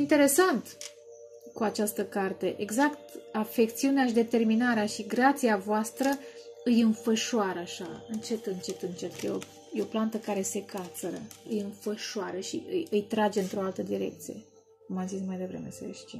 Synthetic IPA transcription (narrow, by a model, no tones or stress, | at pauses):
int̪e̞ɾe̞sant̪ | kuat͡ʃast̪əkart̪e̞ʔeɡzakt̪afe̞kt̪siuneaʃid̪e̞t̪e̞rminaɾeaʃiɡɾat̪siavoast̪ɾə | ɨjɨnfəʃoaɾəaʃa̰ɨnt͡ʃe̞t̪ɨnt͡ʃe̞t̪ɨnt͡ʃe̞t̪jeo̰ | jeo̞plant̪əkaɾe̞se̞kʰat̪səɾə̰ɨjɨnfəʃoaɾəʃḭɨjɨjt̪ɾad͡ʒe̞ɨnt̪ɾo̞alt̪əd̪iɾe̞̰k̚t̪sije̞̰ | kumamzismajd̪e̞vɾe̞̰mesə̰ḛʃt̪ḭ